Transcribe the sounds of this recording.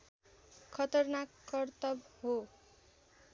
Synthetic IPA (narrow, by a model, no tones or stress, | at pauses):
kʰʌt̪ʌrnakːʌrt̪ʌbho